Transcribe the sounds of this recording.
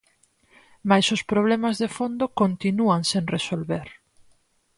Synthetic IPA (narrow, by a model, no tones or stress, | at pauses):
majsʊspɾoβ̞lɛmazðefond̪okont̪inuaŋsẽŋresolβeɾ